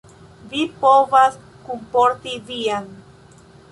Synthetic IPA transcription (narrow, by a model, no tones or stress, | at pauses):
vipoβas | kumpoɾt̪iðian